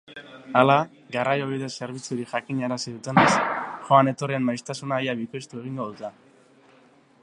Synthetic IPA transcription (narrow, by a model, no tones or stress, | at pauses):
ala | ɡarajo̞βeðese̞ɾβ̞it͡suɾiʝakiɲaɾasiðut̪e̞nesʝo̞ane̞t̪o̞rianmajst̪asunajaβikost̪ue̞ɣiŋɡo̞ðut̪e